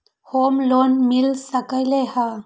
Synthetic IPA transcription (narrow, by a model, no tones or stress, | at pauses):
hoːmlonmilsəkəjleha